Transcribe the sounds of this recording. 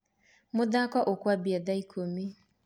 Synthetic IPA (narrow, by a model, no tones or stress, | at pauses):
mʊdakɔʔʊkwabiadaikʰomi